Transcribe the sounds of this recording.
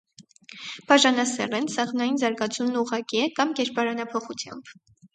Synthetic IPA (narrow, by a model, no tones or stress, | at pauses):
b̥ɑʒɑnɑsɛ̰lɛnsɑʁnɑjinzɑɾɡɑt͡sʰumnuʁɑkiɛkɑmɡɛɾpɑɾɑnɑpʰɔχut͡sʰjɑ̰mb̥